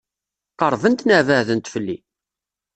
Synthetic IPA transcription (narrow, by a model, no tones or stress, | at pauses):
qəɾˤvənt̪nævæðənt̪fəlːi